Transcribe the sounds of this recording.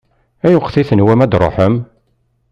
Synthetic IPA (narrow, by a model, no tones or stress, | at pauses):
æjʊqːθiθənwæmæd̪ɾˤo̰ħəm